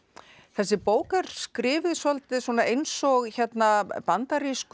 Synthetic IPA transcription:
θɛsːɪpoːwkaɾ̥skɾɪːvɪsalt̪ɪsuɔːnaejnsɔɣçɛt̪napant̪aɾisk

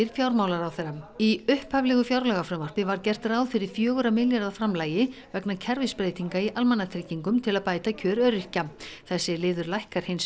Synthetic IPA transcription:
ɪɾ̥fjawɾmawlaɾawθɛɾamiʏhphavlɛɣʏfjawɾlɛɣafɾamvar̥pɪvaɾcɛr̥t̪ɾaːwðfɪɾɪɾ̥fjœːɣʏɾamɪljaɾðafɾamlaːjɪvɛknacʰɛɾvɪspɾeːjt̪iŋkaiʔalmɛnːat̪ʰɾɪciŋkʏmt̪ʰɪlaðpaːjt̪acʰœːɾœɾɪrcaθɛsːɪlɪːðʏɾlajhkaɾ̥hejns

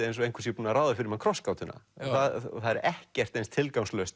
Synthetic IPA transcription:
ɪejnsɔejŋkʰʏ̥sjipuːnaɾaːwðʏfɪɾɪmhankʰɾɔskawt̪ʏnːa̰nθað̰θaðɛɾɛhcɛr̥t̪ejnst̪ʰɪlkawnslœst̪

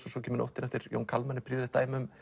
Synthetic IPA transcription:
sɔsɔcʰɛːmɪno̰wht̪ːɪnaft̪ɪɾjo̰wnkʰalmanːɪpʰɾiːððɪt̪aːjmʏm

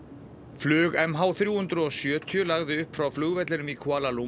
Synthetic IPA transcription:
flʏːɣɛmɦawθɾjuːhʏnt̪ɾʏɔsjœːt̪ʰjʏlaɣðɪʏhpfɾawflʏɣvɛt̪lɪnʏmikʰvaːlalu

